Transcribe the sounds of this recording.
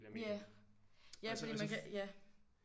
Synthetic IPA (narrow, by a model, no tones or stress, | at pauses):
jæ | jæfɒd̥ḭːmænkʰɛjæ